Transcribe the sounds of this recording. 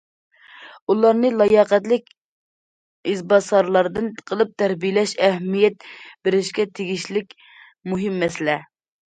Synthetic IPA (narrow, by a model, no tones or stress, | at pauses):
ulˠɑɾnɨlˠɑjɑqɛt̪lɪkʲ | izbɑsɑɾlˠɑɾd̪ɨnqʰəlˠɨp̚t̪ʰæɾbijɪlɛʃɛhmijɛt̪̚bɪɾɪʃkʲɛt̪ʰeɡʲiʃlɪkʲ | muɦɪmːɛsɪlɛ